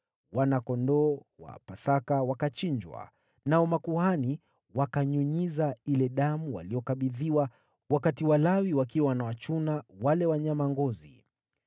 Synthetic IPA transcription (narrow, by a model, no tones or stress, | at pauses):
wanakɔndɔwa̰pasakawakat͡ʃiɲd͡ʒwa̰ | naɔmakuhani | wakaɲuɲizailɛɗamuwa̰lijɔkaɓiðiwa | wakatiwalawiwak̬iwawanawat͡ʃunawalɛwaɲamaŋɡɔzi